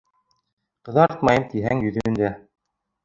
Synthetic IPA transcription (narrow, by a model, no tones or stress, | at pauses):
qɤ̆ðɑɾt̪mɑjɤmt̪iɦæŋjɵ̆ðɵ̆ɘ̆nd̪æ